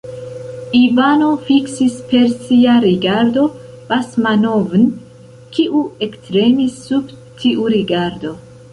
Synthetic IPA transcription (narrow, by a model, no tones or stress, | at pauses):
ivano̞fiksispe̞ɾsiaɾiɡaɾdo̞ | v̥asmanovn | kʰiʔue̞ktɾe̞misːub | tʰiʔuɾiɡaɾdo̞